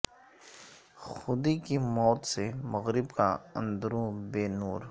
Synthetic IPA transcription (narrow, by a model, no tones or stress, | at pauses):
xʊd̪ikimɔːt̪semɐɣɾɪbkaɐ̰̃nd̪ɾõbeːnuːɾ